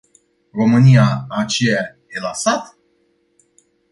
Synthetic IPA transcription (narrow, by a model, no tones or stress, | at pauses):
ro̞mɨnijaːt͡ʃeja | jelasat̪